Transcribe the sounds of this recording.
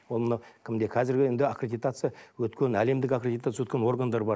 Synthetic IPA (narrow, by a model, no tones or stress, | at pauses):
wo̞lˠmənɑwkʲʰɪmd̪e̞kʰɑzɪɾɡʲɪend̪ɪakrʲed̪ʲijt̪at̪sɨjawɵt̪kʲe̞næle̞md̪ɪkakrʲed̪ʲit̪at̪sjəwɵt̪kʲenwo̞rɡand̪ɑɾbɑɾ